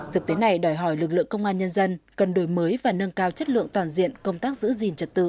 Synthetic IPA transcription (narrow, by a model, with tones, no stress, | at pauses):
t̪ʰɨ˨˩k̚t̪e˨˦na˨˩jɗɔ˨˩jɦɔ˧˩jlɨ˨˩k̚lɨ̰˧˨əŋkə˧wŋ͡mʔaː˧nɲə˧nzə˧nkə˨˩nɗo˨˧˩jməː˨˦jvaː˨˩nə˧nkaː˧wt͡ɕə˦˥t̚lɨ̰˧˨əŋt̪waː˨˩nzḭ˧˨ənkə˧wŋ͡mt̪aː˦˥k̚zɨ̰˧˥zi˨˩nt͡ɕə˨˩t̚t̪ɨ̰˧˨